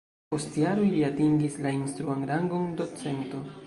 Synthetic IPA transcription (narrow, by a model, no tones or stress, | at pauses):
po̞stjaɾoliatiŋɡislainst̪ɾuaŋɾaŋɡo̞ndo̞t͡se̞nto̞